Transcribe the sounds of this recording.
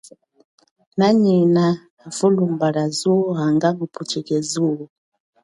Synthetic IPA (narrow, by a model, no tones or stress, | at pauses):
naɲinaː | vulumbaɾazuaŋɡaŋupʰut͡ʃikɛzu